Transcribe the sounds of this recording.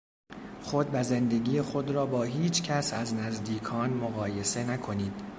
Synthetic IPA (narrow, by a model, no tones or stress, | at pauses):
xo̞d̪væze̞nd̪eɟiːjexo̞d̪ɾɒːbɒːɦiːt͡ʃʰcʰæsæznæzd̪iːkʰɒːnmoɣɒːje̞se̞nækʰo̞niːd̪̥